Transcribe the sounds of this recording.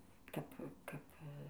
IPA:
ˈkɐp ˈkɐp

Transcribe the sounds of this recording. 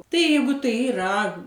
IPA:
ˈtɐɪ ˈjɛɪɡʊ ˈtɐɪ ɪˈrɐ

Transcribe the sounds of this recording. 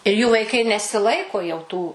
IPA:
ɪr juː ʋɐɪˈkɐɪ nʲɛsʲɪˈlˠɐɪkoː jɛʊ tuː

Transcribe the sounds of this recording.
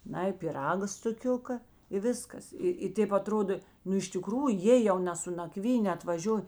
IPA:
ˈnɐɪ pʲɪˈrɑːɡɐ stʊˈkʲʊkɐ ɪ ˈʋʲɪskɐs ˈɪ ɪ ˈtʲeːp ɐˈtroːdoː ˈnʊ ɪʃ tʲɪˈkruːjʊ ˈjeː jɛʊ nʲɛ sʊ nɐˈkʋʲiːnʲeː ɐtʋɐˈʒʲoːj

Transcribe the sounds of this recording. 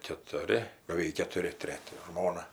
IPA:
kʲɛtʊˈrʲɪ bɐʋʲɛɪk kʲɛtʊˈrʲɪ ˈtʲrʲæːtʲɪ ˈʒmoːnɐ

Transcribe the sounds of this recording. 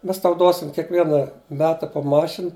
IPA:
ˈmʲɛs ˈtɐʊ ˈduɔsʲɪm kʲiɛkˈʋʲiɛnɐ ˈmʲæːtɐ poː ˈmɑːʃʲɪn

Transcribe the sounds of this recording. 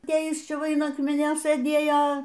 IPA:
ˈtɐɪ ˈjɪs ˈt͡ʃʲɛ ˈʋɐ ɪn ˈɑːkmʲɪnʲoː sɘˈdʲeːjoː

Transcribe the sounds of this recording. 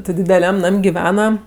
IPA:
tʲɪ dʲɪdʲɛˈlʲɛm ˈnɐmʲ ɡʲɪˈʋʲæːnɐ

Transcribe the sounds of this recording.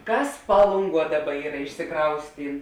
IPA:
ˈkɐs ˈpɑːlˠʊŋˌɡuɔ ˈdɑːˌbɐ ˈiːrɐ ɪʃʲsʲɪˈkrɐʊsʲtʲiːn

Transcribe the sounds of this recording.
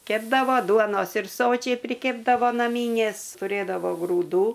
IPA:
ˈkʲæːbdɐʋoː ˈduɔnoːs ɪr ˈsoːt͡ʃʲɛɪ pʲrʲɪˈkʲeːbdɐʋoː nɐˈmʲiːnʲeːs tʊˈrʲeːdɐʋoː ɡruːˈduː

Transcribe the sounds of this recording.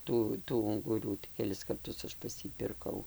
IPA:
ˈtuː tuː ʊŋɡʊˈruː kʲɛˈlʲɪs kɐrˈtʊs ˈɐʃ pɐs ˈjiː pʲɪrˈkɐʊ

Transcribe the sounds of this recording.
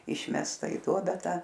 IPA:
ˈɪʃʲmʲɛstɐ ɪ ˈduɔbʲɛ ˈtɐ

